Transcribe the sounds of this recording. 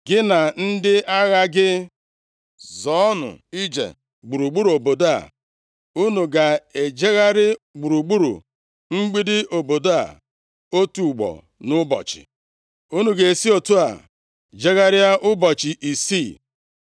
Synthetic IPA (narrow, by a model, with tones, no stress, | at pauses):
ɡɪ˦na˨n̩˦dɪ˦a˦ɣa˦ɡɪ˦ | zɔ˨˦nʊ̰˨i˦d͡ʒḛ˨ | ɡ͡bu˨ɾu˨ɡ͡bu˦ɾu˨o˨bo˨da̰˨ | u˦nu˨ɡa˨e˨d͡ʒe˦ɣa˦ɾɪ˦ɡ͡bu˨ɾu˨ɡ͡bu˦ɾṵ˨ | ŋ͡m̩˦ɡ͡bi˦dɪ˦o˨bo˨da̰˨ | o˦tu˨ɡ͡bɔ̰˨ | nʊ˦bɔ̰˨t͡ʃɪ̰˨ | u˦nu˨ɡe˨e˨si˦o˨tu˦a̰˨ | d͡ʒe˦ɣa˦ɾɪ˦a˦ʔʊ˦bɔ˨t͡ʃɪ˨ʔi˨si˦˨